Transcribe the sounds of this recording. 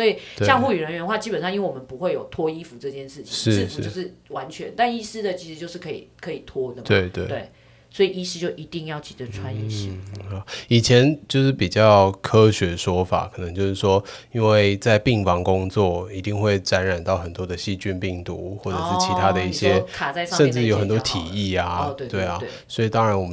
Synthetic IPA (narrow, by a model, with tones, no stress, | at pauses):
sɔ˧˥i˨˩t̪ɕjɑ˥˧ŋxu˥˩y˨˩ɻə˧˦nɥɛ˧˦nxwa˥˨˩t͡ɕi˥pə˨nʂ̬ɑ˥˧i˥nwe˥˩wɔ˨mə˦npu˧˦xwe˥˩ɪjo˨˩ʊt̪ʰwɔ˥i˥fu˨ʈ͡ʂɤ˥˧t͡ɕjɛ˥˧nʂɻ̩˥˩t͡ɕʰʂŋɻ̩˥˧˥ʂɻ̩˥o˥˧ʊʂɻ̩˥˩wa˧˦nt͡ɕʰɥɛ̰˧˦nt̪a˥˧ni˥sɹ̩˥d̪ə˨t͡ɕʰi˧˥ʂ̩˧˦t͡ɕjo˥˧ʊʂɻ̩˥˩kʰḭ˨˩kʰɤ˧˥i˨˩t̪ʰwɔ˥nə˨˩t̪we˥˩ɪt̪we˥˩we˥˩ɪ | swɔ˧˥i˨˩i˥s̩˥˧t͡ɕjo˥˩ʊʔi˧˥t̪i˥˧ŋjɑ˥˩ʊt͡ɕʰi̥˨˩ʈ͡ʂə˧˦ʈ͡ʂʰwa˦njɛ̰˨˩ɕḭ˥˩xɑ˨˩˦i˨˩t͡ɕʰjɛ˧˦nt͡ɕjo˥˧ʊʂɻ̩˥˩pi˨˩t͡ɕjɑ˥˩ʊkʰɤ˦ɕɥɛ˧˥ʂwɔ˥fa̰˨˩kʰɤ˨˩nɤ˧˦ŋt͡ɕjo˥˧ʊʂ̩˥˩ʂwɔ˥i˦˥nwe˥˧ɪt͡sa˥˧ɪpi˥˨˩ŋfɑ˥ŋkʊ˦˥ŋt͡swɔ˥˩i˧˥t̪i˥˧ŋxwe˥˩ɪʈ͡ʂa˧˥nɻa˨˩nt̪ɑ˥˩ʊxə˨˩nt̪wɔ˥d̪ə˨ɕi˥˧t͡ɕy˥npi˥˩ŋt̪u˧˦xwɔ˥˩ʈ͡ʂɤ˨˩ʂɻ̩˥t͡ɕʰi˧t̪ʰa˥d̪ə˨i˥˩ɕjɛ˦˥kʰa˨˩t͡sa˥˧ɪʂʂə˥˧nʈ͡ʂɻ̩˥˨˩jo˧˥ʊxə˨˩nt̪wɔ˥˧t̪ʰi˨˩i˥˩a˩˥t̪we˥˩ɪɐ˨˩˥swɔ˧˥i˨˩t̪ɑ˦ŋɻa˧˦nwɔ˨˩mə˦